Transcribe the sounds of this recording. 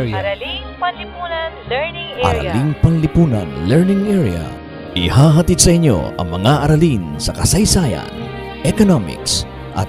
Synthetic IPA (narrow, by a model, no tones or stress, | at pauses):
lu | ŋʔɐ̰ɾa̰liŋpɐŋlɪpuːnɐ̰nlɛɹnɪŋʔɛɹiɐ̰ | ʔɪhaːɦɐt̪id̪̚sɐʔɪɲːo̰ɐ̰ŋmɐŋaʔɐɾɐlinsɐkɐsɐjsajɐ̰n | ʔɛkonomɪ̰ks | ʔɐ̰t̪̚